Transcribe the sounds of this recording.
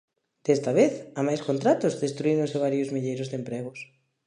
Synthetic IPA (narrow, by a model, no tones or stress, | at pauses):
d̪̥est̪aβeθamajskont̪ɾat̪ʊzðest̪ɾuiɾonseβ̞aɾjozmiʎejɾʊzðempɾeɣ̞ʊs